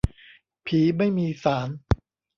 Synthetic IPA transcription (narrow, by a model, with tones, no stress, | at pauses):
pʰiː˩˦ma˥˩jmiː˧saː˩˦n